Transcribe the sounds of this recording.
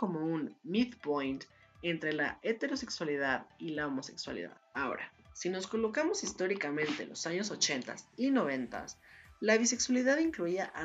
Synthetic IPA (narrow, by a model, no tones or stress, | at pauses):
o̞mo̞unmit̪pojnt̪ | e̞nt̪ɾe̞la̰et̪e̞ɾo̞se̞kswalið̞aðilaomo̞se̞̰kswa̰lḭða̰ðao̞̰ɾa̰sino̞sko̞lo̞kamo̞sist̪o̞ɾikamẽ̞nt̪e̞̰lo̰saɲo̞s̬o̞t͡ʃe̞nt̪a̰sino̞βe̞nt̪a̰slaβ̞ise̞kswaliðaðiŋkluiaʔa